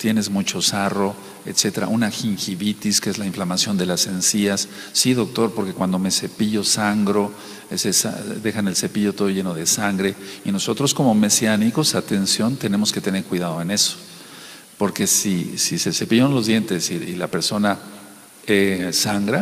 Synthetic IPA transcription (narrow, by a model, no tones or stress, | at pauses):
t̪je̞ne̞zmut͡ʃo̞saro̞ | et̪se̞t̪e̞ɾa̰ʔunaxiŋxiβit̪iskeezlaiɱflamasjo̞nd̪elase̞nsiasː | iðo̞k̚t̪o̞ɾpo̞ɾke̞kwand̪o̞mese̞piʝo̞saŋɡɾo̞ | sesa̰d̪e̞xane̞lse̞piʝo̞t̪o̞ð̞oʝe̞noð̞e̞saŋɡɾe̞ino̞so̞t̪ɾo̞sko̞mo̞me̞sjaniko̞sat̪e̞nsjo̞nt̪e̞ne̞mo̞ske̞t̪ene̞ɾkwiðað̞o̞e̞ne̞so̥ | po̞ɾke̞sisisese̞piʝonlo̞zðjent̪e̞siilape̞ɾso̞na | esaŋɡɾa